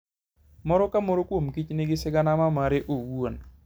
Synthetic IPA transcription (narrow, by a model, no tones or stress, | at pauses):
mɔɾɔkamoɾokwomkit͡ʃnɪɡɪsɪɡanamamaɾeʔowuon